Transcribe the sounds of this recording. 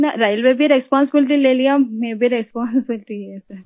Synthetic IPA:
nɐɾaːɪlʋebʱiɾɛspaːnsɪbɪlɪʈ̬ileːlijamẽːbʱiɾɛspaːnsɪbɪlɪʈiɛsɐɾ

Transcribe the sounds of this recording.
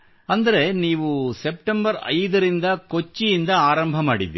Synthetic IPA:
ɐnd̪ɐɾe̞niːʋuse̞p̚ʈembɐɾɐ̰jd̪ɐɾind̪ɐko̞t͡ʃːijind̪ɐaːɾɐmbʱɐmaːɽid̪ːi

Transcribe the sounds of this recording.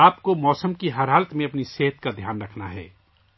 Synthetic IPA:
aːpkomɔːsəmkiɦɐɾɦaːlət̪mẽɐpniseːɦət̪kad̪ʱjaːnɾɐkʰnaɦɛ̰ː

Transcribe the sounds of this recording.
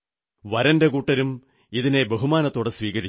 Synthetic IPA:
ʋɐɾɐndekuːʈːɐɾum | iðine̞beɦumaːnɐt̪ːo̞ːɽesʋiːkɐɾit͡ɕ

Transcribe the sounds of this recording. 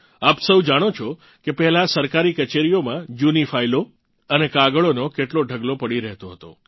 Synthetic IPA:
apsəwd͡ʒaɽ̃ot͡ʃʰo | kepɛɦɛlasəɾkaɾikət͡ʃeɾijomãjunifailo | ənekaɡəɭonokeʈloɖʱəɡlopəɽiɾɛɦt̪oɦət̪o̰

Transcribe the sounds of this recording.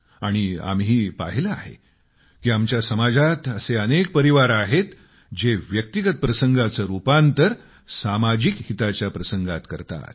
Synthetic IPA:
aɽ̃ia̰mɦiːpa̰ɦiləaɦḛ | kiːamt͡ɕjasəmad͡zat̪əseənek̚pəɾiʋaɾaɦet̪ | d͡ʑeʋjəkt̪iɡət̪̚pɾəsəŋɡʱat͡səɾupant̪əɾ | samad͡ʑikhit̪at͡ɕjapɾəsəŋɡat̪kəɾt̪a̰t̪̚

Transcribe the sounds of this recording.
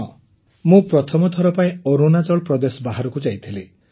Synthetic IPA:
ɔ | mũpɾɔt̪ʰɔmɔt̪ʰɔɾɔpaĩɔɾunad͡ʒɔɭpɾɔd̪esɔbaɦaɾɔkud͡ʒajt̪ʰile

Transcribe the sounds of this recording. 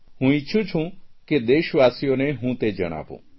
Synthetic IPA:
hũɪːt͡ʃʰũt͡ʃʰũked̪eːʃʋaːsijoneɦũt̪ed͡ʒə̰ɽ̃a̰ːʋṵ̃ː

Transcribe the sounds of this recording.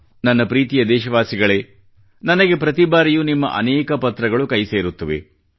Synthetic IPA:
nɐnːɐpɾiːt̪ijɐd̪ɛːʃɐʋaːsiɡɐɭe̞ː | nɐnɐɡe̞pɾɐt̪ibaːɾijunimːɐ̰ʔɐ̰nɛːkɐpɐt̪ɾɐɡɐɭukɐjse̞ːɾut̪ːɐʋḛ

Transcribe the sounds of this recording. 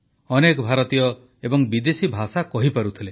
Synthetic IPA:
ɔnekɔbʱaɾɔt̪ijɔ | ebɔŋbid̪esibʱasakɔɦipaɾut̪ʰile

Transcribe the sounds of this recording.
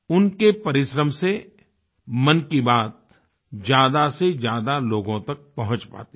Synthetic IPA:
ʊnkepɐɾɪʃɾəmse | mɐnkibaːt̪̚ | d͡ʒjaːd̪ased͡ʒjaːd̪aloːɡõt̪ɐk̚pɐɦʊ̃t͡ʃpa̰ːt̪i

